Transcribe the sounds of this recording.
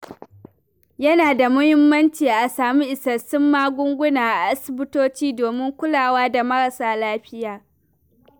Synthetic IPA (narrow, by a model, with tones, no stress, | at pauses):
jɐ˦naː˨da˨mʊ˦hɪ˦mːɐ˦nt͡ʃiː˨ʔa˨saː˨miː˦ʔɪ˨sɐ˨sɪ˦mːaː˦ɡʷʊ˦ŋɡʷʊ˦naː˨ʔa˨ʔa˦sɪ˨bɪ˦toː˦t͡ʃiː˦doː˨mɪ˦ŋkʷʊ˦laː˨waː˦da˨mɐ˦ɽɐ˨saː˨laː˦ɸɪ˦jaː˨